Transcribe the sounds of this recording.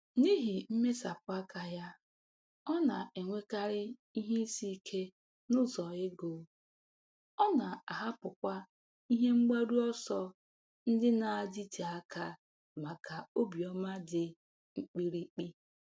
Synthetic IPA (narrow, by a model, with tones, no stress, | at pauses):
ni˦ɦi˨m̩˦me˦sa˨pʊ˦˨a˦ka˨ja˦ | ɔ˦na˨e˨ŋʷe˦ka˦ɾɪ˦i˦ɦe˦si˦˨kʰe˦ | nʊ˦zɔ˨ɪ˦ɡo˨ | ɔ˦na˨a˨ɦa˦pʊ˨kʷa˦ | i˦ɦe˦ŋ͡m̩˦ɡ͡ba˦ɾu˦ɔ˦sɔ˦ | n̩˦dɪ˦na˨a˨d͡ʒi˦te˨a˦ka˦ | ma˨ka˨o˦bi˨ɔ˦ma˦dɪ˨ | ŋ͡m̩˦k͡pi˦ɾi˦k͡pi˦